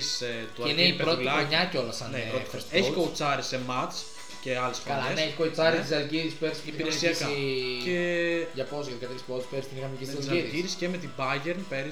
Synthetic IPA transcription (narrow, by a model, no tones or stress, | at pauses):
set̪uineiɾot̪lɐɲɐco̞lɐsɐneɾot̪o̥ɾiseçikout͡sɐɾisemɐt͡s | ce̞ɐlesfoɐlɐeneeçi̥kot͡sɐnɾit̪izɐlʝiɾispeɾisiipiɾeesiɐsɐceʝɐpozjɐt̪ikɐt̪eɾispot̪speɾist̪inixɐmecizɐzɐiɾʝiɾisceme̞t̪ibɐʝeɾnpeɾi